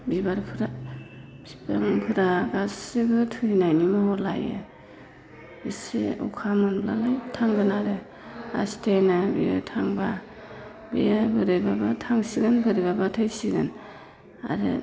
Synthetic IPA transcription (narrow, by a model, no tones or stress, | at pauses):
bibaɾpʰɯɾa | bipa̰ŋpʰɯɾaɡasɯɡɯtʰɯnajnimɯhɔla̰jɯ̰ | isḛṵkʰamɯnbla̰lajtʰaŋɡɯnaɾɯ | a̰stʰejnabḭja̰tʰaŋba | bḭjabɯɾɯbabatʰaŋsiɡɯnbɯɾibabatʰɯjsiɡɯn | a̰ɾɯ̰